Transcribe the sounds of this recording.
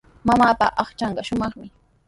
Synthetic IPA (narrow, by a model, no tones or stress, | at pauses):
mamaːpa̰ʔɑχt͡ʃɑɴɢɑʃʊmɑχmɪ